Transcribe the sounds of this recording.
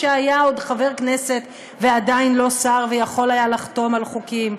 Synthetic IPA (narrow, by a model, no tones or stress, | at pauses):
eajao̞d̪χave̞ʁkne̞se̞t̪ | vead̪ainlo̞saʁvejaχo̞lajalaχt̪o̞malχukim